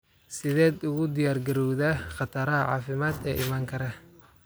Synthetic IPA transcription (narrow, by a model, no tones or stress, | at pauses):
sɪðɛːd̪ʊɣʊd̪ɪjaːrɡɐɾɔwðaχɑt̪ʰɐɾɐɦɐʕɑ̰ːfɪmaːd̪ɛ̰ːʔɪmaːŋkʰɐɾɐ